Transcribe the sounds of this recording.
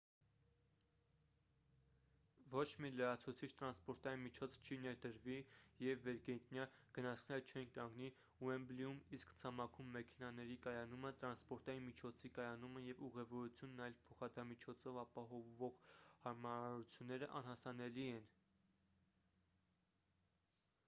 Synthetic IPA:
vɔt͡ʃʰmiləɾɑt͡sʰut͡sʰit͡ʃʰt̪ɾɑnspɔɾt̪ɑjinmit͡ʃʰɔt͡sʰt͡ʃʰinɛɾd̪əɾvijɛvːɛɾɡɛnt̪njɑɡ̥ənɑt͡sʰnɛɾət͡ʃʰɛnkɑŋɡni | uɛmbliumiskt͡sʰɑmɑkʰumːɛkʰɛnɑnɛɾikɑjɑnumət̪ɾɑnspɔɾt̪ɑjinmit͡ʃʰɔt͡sʰikɑjɑnuməjɛvuʁɛvɔɾut͡sʰjunːɑjlpʰɔχɑd̪ɑmit͡ʃʰɔt͡sʰɔvɑpɑɦɔvːɔʁhɑɾmɑɾɑɾut͡sʰjunːɛɾəʔɑnhɑsɑnɛliɛn

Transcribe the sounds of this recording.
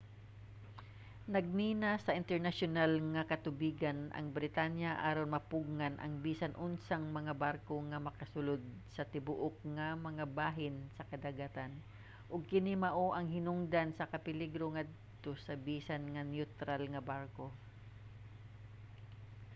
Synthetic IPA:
nɐɡ̚miːnasɐʔɪnt̪ɛɹnaʃonalŋɐkɐt̪ʊbiːɡanʔɐ̰ŋbɾɪt̪anjaʔaːɾonmɐpʊɡ̚ŋanʔɐ̰ŋbiːsanʔʊnsaŋmɐŋabaɾkoŋɐmɐkɐsʊlod̪̚sɐt̪ɪbʊʔʊk̚ŋɐmɐŋabaːɦɪnsɐkɐd̪aɡat̪an | ʔʊɡ̚kɪnimɐʔoʔɐŋhɪnʊŋd̪ansɐkɐpɪliɡɾoŋad̪̚t̪osɐbiːsanŋɐnjut̪ɾalŋɐbaɾko

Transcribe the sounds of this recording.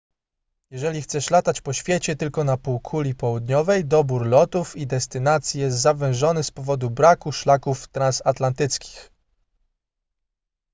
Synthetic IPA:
jɛʐɛlʲixt̪sɛʂlat̪at͡ɕpɔɕfʲjet͡ɕɛt̪ɘlkɔnapuwkʰulʲipɔwud̪ɲɔvɛjd̪ɔbuɾlɔt̪ufid̪ɛst̪ɘnat̪sʲjijɛs̬t̪zavɛ̃w̃ʐɔnɘspɔvɔd̪ubɾakuʂlakuft̪ɾãnsat̪lant̪ɘt̪skʲi̥x

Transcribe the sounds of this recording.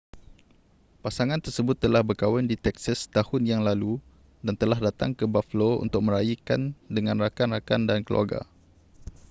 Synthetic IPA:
pasaŋãnt̪ərsəbʊt̪ːəlahbərkawɛndit̪ɛksast̪ahʊnjaŋlalu | dant̪əlahdat̪a̰ŋkəbafloṵnt̪ʊk̚mə̃ɾajikandəŋãnrakanrakandankəlṵa̰ɡa̰

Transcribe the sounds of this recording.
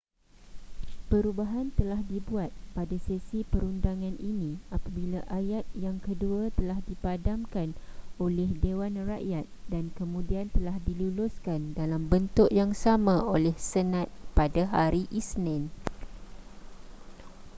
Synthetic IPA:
pəɾubaɦant̪əlahdibuat̪̚padasesipəɾundaŋãnʔinĩapabilaʔajat̪̚jaŋkəduat̪əlahdipadamkanolɛhdewanraʔjat̪̚dankəmũdiant̪əlahdilulʊskandalambənt̪ʊʔjaŋsamãolɛhsənãt̪̚padaɦaɾiʔisnãn

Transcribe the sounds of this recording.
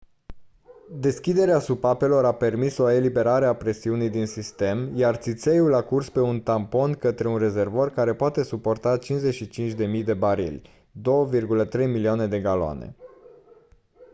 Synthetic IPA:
d̪e̞skʲid̪e̞ɾeasupape̞lo̞ɾape̞rmiso̞e̞libe̞ɾaɾe̞apɾe̞siunijd̪insist̪e̞mjart̪sit̪se̞julakurspe̞unt̪ampo̞nkət̪ɾe̞unre̞ze̞rvorkaɾe̞poat̪e̞supo̞rt̪at͡ʃinzeʃit͡ʃint͡ʃʲd̪e̞mijd̪e̞baɾḭlʲ | d̪o̞wəvirɡulət̪ɾe̞jmiliane̞d̪e̞ɡaloa̰nḛ

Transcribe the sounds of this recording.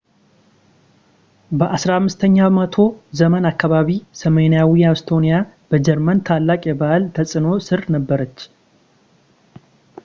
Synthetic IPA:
bəʔasɾamːɨst̪ʰəɲːamət̪ʰo̞zəmənakːaβaβisəmənijawijawst̪ʰo̞nija | b̥əd͡ʒɛɾmənt̪ʰalːakʼjɛbalt̪ʰəsʼɨno̞sɨɾnəbːəɾət͡ʃː

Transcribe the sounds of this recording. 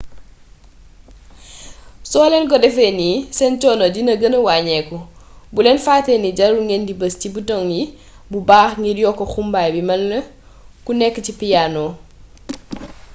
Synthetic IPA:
sɔːlɛnkɔdɛfɛnisɛnt͡ʃɔnoɟinəɡənəwaːɲɛkɔbulɛnfaːtɛniɟɐɾuŋɡɛndibəscibutɔŋji | bubaːxŋiɾjɔkɔxumbaːjbimɐlːə | kunɛkːəcipijaːnɔ

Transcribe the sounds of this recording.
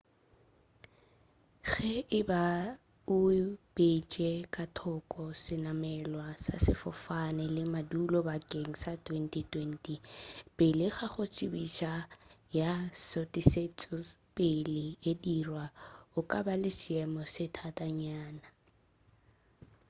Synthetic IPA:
ɣɛʔɪba | ʊb̥et͡ʃʼɛkʼatʰɔkʼɔsɪnamɛlwasa̰sɪ̰fɔfanɛlɪmadulɔbakʼeŋ̩satʼwentʼitwentʼipʼɪlɪχaχʊt͡sʼɪbiʃajasotʼiset͡sʼɔpʼɪlɪedirwaʊkʼabalɪsɪɛmɔsɪtʰatʼaɲaːna

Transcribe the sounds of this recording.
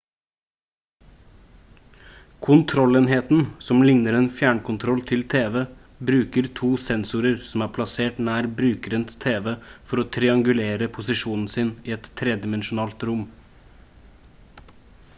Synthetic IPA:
kʰʊnt̪ʰɾɔleːnɦeːt̪n̩sɔmlɪŋnəɾeːnfjæːɳkʊnt̪ʰɾɔlt̪ʰɪlt̪ʰeːʋeː | bɾʉːkəɾt̪ʰuːsɛnsʊɾəɾsɔm̩æːɾpʰlɑseːʈnæːɾbɾʉːkəɾənt̪st̪ʰeːʋefɔɾoːt̪ʰɾɪɑŋɡʉleːɾəpʰʊsɪʃuːnn̩sɪniːɛt̪t̪ʰːɾɛd̪ɪmɛnʃʊnɑːlt̪ɾʊm

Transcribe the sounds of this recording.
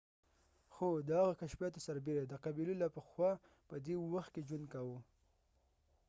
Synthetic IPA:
xod̪əhaɣakaʃfijɑt̪osaɾbeɾed̪əqabilulapəxwɑ | pəd̪ewaxt̪̚ked͡ʒwənd̪kawu

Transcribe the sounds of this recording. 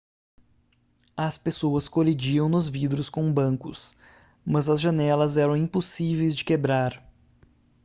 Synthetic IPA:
ɐspesoɐskolid͡ʒiɐ̃w̃nʊzvid̪ɾʊskõw̃bɐ̃ŋkʊ̰s | mɐzɐzʒɐnɛlɐzɛɾɐ̃w̃ĩposivejzd͡ʒɪkebɾaɾ

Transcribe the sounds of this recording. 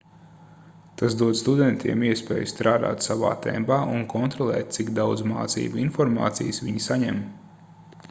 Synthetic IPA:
t̪as̬d̪uɔd̪st̪ud̪ɛnt̪ʰiɛmiɛspɛ̰ːjust̪ɾaːd̪a̰ːt̪sava̰ːt̪ɛ̰mbaːʔunkʰɔnt̪ɾɔlˠɛːt̪̚t̪siɡd̪awd̪zma̰ːt̪sḭːbuinfɔɾma̰ːt̪sijsʋiɲisaɲɛm

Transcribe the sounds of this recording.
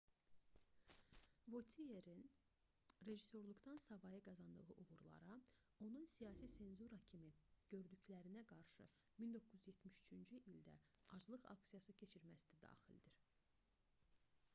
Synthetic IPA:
vo̞t̪ʰieɾin | ɾe̞ʒiso̞ɾlˠuɡt̪ɑnsɑvɑjɯɡɑzɑnd̪ɯɣɯʔuɣuɾlˠɑ̰ɾɑ | o̞nunsijɑːsise̞nzuɾɑcʰimiɟ̥ø̞ɾd̪yclæɾinæɡɑɾʃɯ̰ | mind̪o̞kːuzyzje̞t̪miʃy̥t͡ʃʰynd͡ʒyʔild̪æ̰ɑd͡ʒlˠɯɣɑ̰ksijɑsɯcʰe̞t͡ʃʰiɾmæsd̪æd̪ɑ̰ːxḭld̪iɾ̥

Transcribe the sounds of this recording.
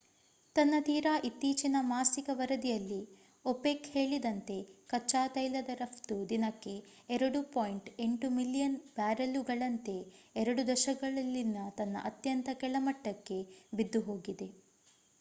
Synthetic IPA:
t̪ɐnːɐt̪iːɾaːʔit̪ːiːt͡ʃinɐmaːsikɐʋɐɾɐd̪ijɐlːi | opeːkheːɭid̪ɐnt̪e̞kɐt͡ʃːaːt̪ɐjlɐd̪ɐɾɐpt̪ud̪inɐkːe̞ | ɛɾɐɽupojɳʈeɳʈumilːijɐnb̥aːɾɐluɡɐɭɐnt̪e̞ɛɾɐɽud̪ɐʃɐɡɐɭɐlːinːɐt̪ɐnːɐ̰ʔɐt̪jɐnt̪ɐkɛɭɐmɐʈːɐkːe̞bid̪ːuɦo̞ːɡid̪e̞

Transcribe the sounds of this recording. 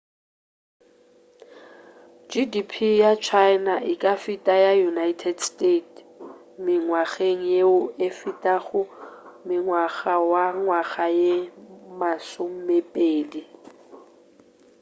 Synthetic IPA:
d͡ʒidipʰijat͡ʃʰaɪnaʔɪkʼafitʼajajunaitʰɛdstʼetʰ | mɪŋwaɣeŋ̩jeʊefitʼaɣʊmɪŋwaɣawaŋwaɣajemasʊm̩mepʼeːdi

